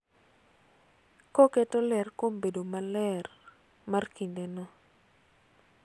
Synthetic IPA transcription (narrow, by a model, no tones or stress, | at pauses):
kɔketolɛrkombedomalɛr | markindenɔ